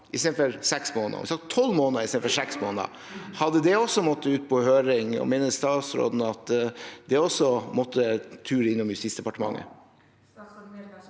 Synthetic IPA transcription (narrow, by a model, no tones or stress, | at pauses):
ʔɪst̪eːfɔɾsɛksmoːnə̰mɪsɑkt̪ʰɔlːmoːnəɾɪst̪eːfɔsɛksmoːnə̰ | hɑd̪əd̪ɛɔsːɔmɔt̪ːəʉːt̪̚pʰɔhøːɾɪŋɔ̰meːnəst̪ɑːt̪sɾo̰ːd̪n̩ɑt̪d̪ɛɔsɔmɔt̪ʰːət̪ʰʉːɾəɪnːʊmjʉst̪iːtsd̪ɛpɑʈəmɑ̰ŋːə̰